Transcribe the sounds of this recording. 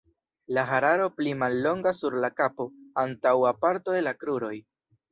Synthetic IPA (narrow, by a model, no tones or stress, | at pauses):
laɦaɾaɾo̞plimalːo̞ŋɡasuɾlakapo̞antawapaɾto̞de̞lakɾuɾo̞j